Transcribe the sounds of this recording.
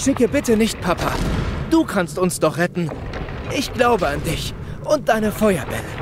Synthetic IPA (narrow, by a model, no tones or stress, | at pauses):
ʃɪkəbɪtənɪçt̚pʰapʰa̰d̥uːkʰanstʊnsd̥ɔχʁ̥ɛtn̩ | ʔɪçɡ̥laʊbəandɪç | ʔʊnt̚d̥aɪnəfɔʏɐbɛ̰lə